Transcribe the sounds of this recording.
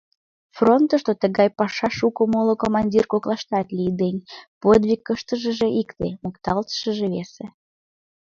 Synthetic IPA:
front̪əʃt̪ot̪əɣɑjpɑʃɑʃukomolokomɑnʲdʲirkoklɑʃt̪ɑt̪lʲijd̪enʲpod̪βʲikːəʃt̪əʒə̆ʒeʔikt̪emukt̪ɑlt̪ə̥ʃə̆ʒeβese

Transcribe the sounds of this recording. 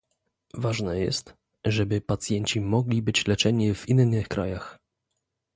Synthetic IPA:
vaʐnɛjɛ̰st̪ | ʐɛbɘpat̪sʲjɛɲt͡ɕimɔɡlʲibɘt͡ɕlɛt͡ʂɛɲivinnɘxkɾʔa̰jax

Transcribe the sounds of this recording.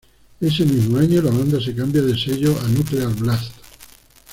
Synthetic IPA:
e̞se̞mizmoaɲolaβand̪as̬e̞kambjaðese̞ʎoanut̪ɾealβlast̪

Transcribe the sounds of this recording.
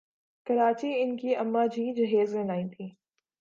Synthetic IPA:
kɐɾaːt͡ɕiɪnkiɐmːad͡ʑʱiːd͡ʑɐɦeːzlɐ̃laːĩːt̪ʰiː

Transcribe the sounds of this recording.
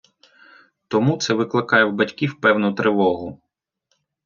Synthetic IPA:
t̪ɔmut̪sɛʋɪklˠɪkɑjɛwbɐtʲkʲiwpɛwnʊt̪ɾeʋɔɦʊ

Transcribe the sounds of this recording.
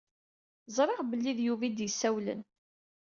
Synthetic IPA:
zˤɾˤeʁbəlːiðjuvid̪jəsːæwlə̰n

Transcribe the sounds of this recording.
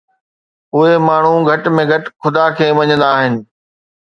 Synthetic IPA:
ʊɦemaːɳ̤ũɡʱɐʈmẽɡʱɐʈxʊd̪akʰeːʋɐɲə̃nd̪aːɦɪnɪ̆

